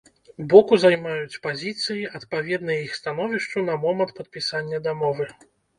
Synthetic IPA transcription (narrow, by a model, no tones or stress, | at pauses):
bɔkuzajmajut͡sʲpazʲit̪sɨjiɐt̪pavʲɛd̪nɨjɐixst̪anɔvʲiʂt͡ʂunɐmɔmɐnt̪̚pɐt̪̚pʲisanʲːɐd̪amɔvɨ